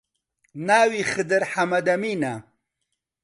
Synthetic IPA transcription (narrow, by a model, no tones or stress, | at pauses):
naːwiχɨd̪ɐɾħamɐd̪ɐmina